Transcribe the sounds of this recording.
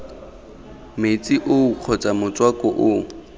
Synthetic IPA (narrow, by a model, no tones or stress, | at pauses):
met͡sʼiʔʊuq͡χʰɔt͡sʼamʊt͡sʼwakʼɔʔʊ